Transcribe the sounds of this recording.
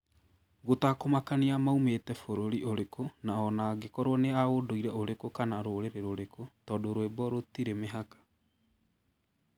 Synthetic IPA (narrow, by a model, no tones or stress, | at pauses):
ɣotakomakaneamaumeːtɛfoɾoɾiʔoɾekʰonaɔnaɡekɔɾwɔneaɣodoiɾɛoɾekokanaɾoɾeɾeɾoɾekʰotɔːdoɾwebɔɾotiɾemeɦakḁ